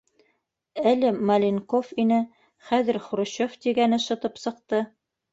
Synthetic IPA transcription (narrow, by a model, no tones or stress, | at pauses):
ælɘmɐlʲiŋkofinɘ | χæðɘ̆ɾχoɾŏɕoft̪iɡænɘʃɤ̆t̪ɤpsɤ̆q̚t̪ɤ